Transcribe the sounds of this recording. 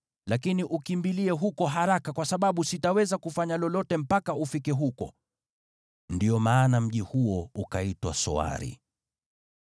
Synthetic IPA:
lakiniʔukimbiliɛɦukɔɦaɾakakwasaɓaɓusitawɛzakufaɲalɔlɔtɛm̩pakaufikɛɦukɔ̰ | ndiɔmaːnam̩ʄihuɔukaitwa̰sɔ̰a̰ɾḭ

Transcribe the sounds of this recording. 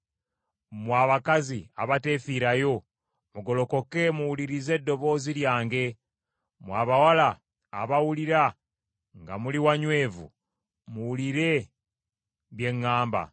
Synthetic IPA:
mwaːβakaziaβate̞fiɾajo̞ | muɡo̞lo̞ko̞ke̞muwuliɾize̞dːo̞βo̞ːziljaːŋɡe̞ | mwaːβawalaː | βawuliɾa | ŋɡa̰muliwaɲwe̞ːvṵ | muwuliɾe̞ | βje̞ŋːaːmba̰

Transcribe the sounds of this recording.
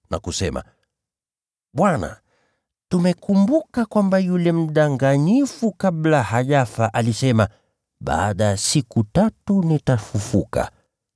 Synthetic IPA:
na̰kusɛma̰ | ɓwana̰ | tumɛkumbukakwambajulɛm̩ɗaŋɡaɲifukaɓlahaʄafaʔalisɛma | ɓa̰ːɗajasikutatunitafufuka̰

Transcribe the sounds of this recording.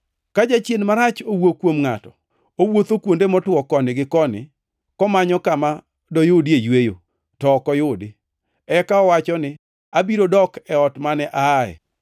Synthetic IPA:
kad͡ʒat͡ʃjenmaɾat͡ʃowokwomŋatɔ̥ | owot̪okwondemɔtwɔkɔnɪɡɪkɔnɪ̰ | kɔmaɲɔkama | dɔjʊdiejwejo | tɔkɔjʊdɪ | ɛkaɔwat͡ʃɔnɪ | abiɾodɔkɛɔtmanɛʔaɛ̰

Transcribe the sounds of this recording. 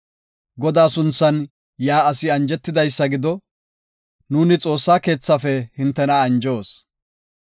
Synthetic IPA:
ɡɔd̪aːsʊnt͡sːɐn | jaːɐsɪɐnd͡ʒɛt̪ːɪd̪ɐjsːɐɡɪd̪ɔ | nuːnɪt͡sʼo̞ːsːaːke̞ːt͡sːɐfɛhɪnt̪ːɛnɐːnd͡ʒo̞ːs

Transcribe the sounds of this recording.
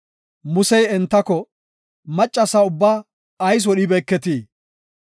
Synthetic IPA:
mʊsɛjɛnt̪ːɐkɔ | mɐt͡ʃʼːɐsɐʊbːaː | ɐjs̬wɔɗɪbɛːkːɛt̪iː

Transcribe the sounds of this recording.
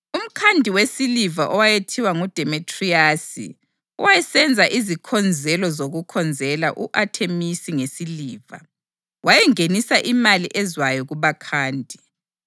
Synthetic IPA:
um̩kʰandʱiwesilivaʔɔwajetʰiwaŋud̥ʱɛmitʰʼriasḭ | ɔwajɛsɛnd͡zʱaʔizikʰɔnd͡zʱɛlɔzoɣukʰɔnd͡zʱɛlaʔuʔatʰemisiŋesiliːva̰ | wajɛŋenisaʔimaliʔɛzwajɔɣuβakʰaːndʱi

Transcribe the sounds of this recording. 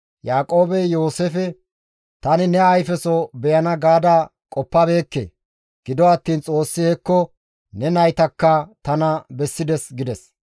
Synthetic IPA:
jaːkʼo̞ːbɛjo̞ːsefɛ | t̪ɐnɪnɛɐjfɛsɔbɛjɐnɐɡaːd̪ɐ | kʼɔpːɐbe̞ːkːḛː | ɡ̥ɪd̪ɔɐt̪ːiːnt͡sʼo̞ːsːɪhɛkːɔ | nɛnɐjt̪ɐkːɐt̪ɐnɐbɛsːɪd̪ɛsɡɪd̪ɛs

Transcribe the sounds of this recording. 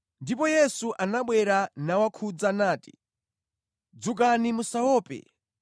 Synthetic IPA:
ndipɔjɛsuʔanaɓwɛɾanawakʰud͡zanaːti̥̰ | d͡zuk̬animusawɔːpɛ̰

